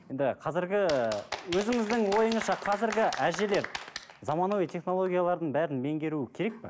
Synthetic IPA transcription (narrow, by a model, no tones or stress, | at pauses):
je̞nd̪ɪqʰɑzɪɾɡʲɪwɵzɪŋɪzd̪ɪŋwo̞jəɴəzʃɑqʰɑzɪɾɡʲɪʔæʒe̞le̞ɾ | zɑmɑnowijt̪ʰe̞χno̞lˠo̞ɡʲijalˠɑɾd̪əɴbæɾɪnme̞ŋɡʲe̞ɾuɪkʲʰe̞ɾe̞k̚pɪ̰